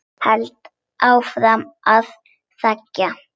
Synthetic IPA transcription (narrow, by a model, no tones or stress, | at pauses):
pɛlt̪ | ʔawfɾamað | θacːa